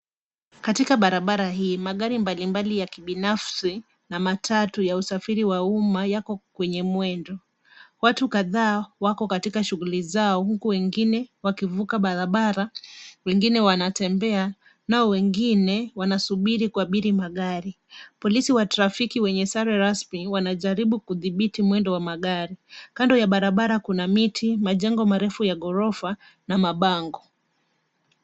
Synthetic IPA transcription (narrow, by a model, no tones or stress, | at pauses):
katikaɓaɾaɓaɾaɦiːmaɠaɾimbalimbalijakiɓinafsi | namatʰatujausafiɾiwaumajakɔkwɛɲɛmwɛndɔ | watukaðaːwakɔkatikaʃuɣulizaɔhukuwɛŋɡinɛwakivukaɓaɾaɓaɾawɛŋɡinɛwanatɛmbɛa | naɔwɛŋɡinɛwanasuɓiɾikuaɓiɾimaɠaɾi | pɔlisiwataɾafikiwɛɲɛsaɾɛɾasmiwanaʄaɾiɓukuðiɓitimwɛndɔwamaɠaɾikandɔjaɓaɾaɓaɾakunamitʰimaʄɛŋɡɔmaɾɛfujaɠɔɾɔfa | namaɓaŋɡɔ